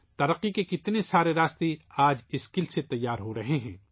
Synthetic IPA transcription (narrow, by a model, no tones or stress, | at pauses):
t̪ɐɾɐqːikekɪt̪nesaːɾeɾaːst̪eaːd͡ʒɪskɪlset̪ɐjːaːɾɦoɾɐɦeɦɛ̰̃ː